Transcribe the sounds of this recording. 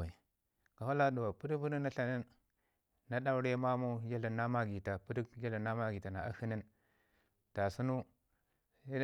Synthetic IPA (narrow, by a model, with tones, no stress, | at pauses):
a˨ | ka˨ha˦la˦do˨wa˨pu˦ɾi˦pu˦ɾi˦na˦ɬa˨ni˦nː | a˦ɗa˦u˦ɾe˦ma˦mu˦ja˦la˨na˦ma˦ɡi˨ta˨pu˦ɾi˦kja˦la˨na˦ma˦ɡi˨ta˨na˨a̰˨hi˦ni˦n | ta˨su˦nu˦